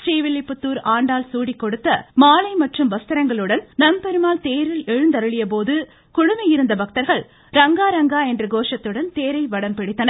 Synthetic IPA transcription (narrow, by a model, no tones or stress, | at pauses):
riːʋɪlːɪpːɯt̪ːuːɾaːɳɖaːlsuːɽikːɔɽɯt̪ːɐmaːlɐɪmɐʈrɯmʋɐst̪ɪɾɐŋɡɐɭɯɽɐnnɐmpɛɾɯmaːlt̪eːɾɪlɛɻɯnd̪ɐɾɯɭɪjɐp̬oːðɯ | kʊɻʊmɐjɪɾɯnd̪ɐbɐk̚t̪ɐɾɣɐɭ | ɾɐŋɡaːɾɐŋɡaːɛndrɐɡoːʂɐt̪ːɯɽɐnt̪eːɾɐɪʋɐɽɐmpɪɽɪt̪ːɐnɐ